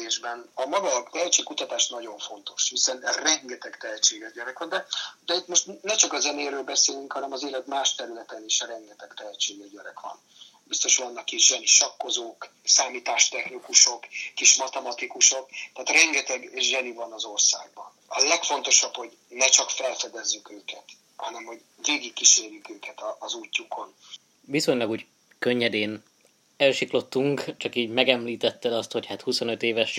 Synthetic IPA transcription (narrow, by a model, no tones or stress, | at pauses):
eːʒbɛnɒmɒɡɒt̪ɛɛt͡ʃeːkut̪ɒt̪aːʃnɒɟo̞ɱfo̞n̪t̪o̞̥ʃhisɛnrɛŋɡɛt̪ɛkt̪ɛɦɛt͡ʃeːɡɛʒɟɛɾɛkʋɒnd̪ɛd̪ɛit̪moʃt̪nɛt͡ʃɒkɒzɛneːɾøːlbɛseːlyŋkhɒnɛmɒzeːlɛt̪maːʃt̪ɛɾylɛt̪ɛniʃɒɾɛŋɡɛt̪ɛkt̪ɛɦɛt͡ʃeːɡɛʒɟɛɾɛkʋɒ̰n | bist̪o̞ʃʋɒnːɒkːiʒʒɛniʃɒkːo̞zoːk | saːmiːt̪aːʃt̪ɛxnikuʃo̞kːiʃmɒt̪ɛmɒt̪ikuʃo̞k̚t̪aːt̪rɛŋɡɛt̪ɛɡʒɛnivɒnɒzo̞rsa̰ːɡ̚bɒnɒlɛkfo̞nt̪o̞ʃɒpho̞ɟ | nɛt͡ʃɒkfɛlfɛd̪ɛzːykøːkɛt̪ | hɒnɛmho̞ɟ | veːɡikːiʃeːrjykøːkɛt̪ɒːzuːcːukʰo̞n | viso̞ɲlɒɡuːɟ | kø̞ɲːɛd̪eːn | ɛlʃiklo̞t̪ːuŋkt͡ʃɒkiːɟmɛɡɛmliːt̪ɛt̪ːɛd̪ɒst̪ho̞chaːt̪huso̞nøt̪eːvɛʃ